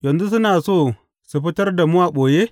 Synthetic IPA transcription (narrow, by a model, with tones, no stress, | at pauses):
jɐ˨nzu˦s̬ʊ˦naː˨soː˦˨ | su˨ɸɪ˦tɐ˦rda˨mʊ˦waː˨ɓoː˨jeː˦